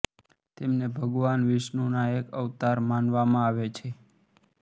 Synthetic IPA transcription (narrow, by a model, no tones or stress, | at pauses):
t̪emnebʱəɡʋanʋɪʃnonaekəʋt̪aɾmanʋamãaʋet͡ʃʰe